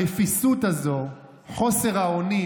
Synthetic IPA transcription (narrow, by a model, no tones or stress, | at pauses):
efisutazo̞ | χo̞se̞ʁaoni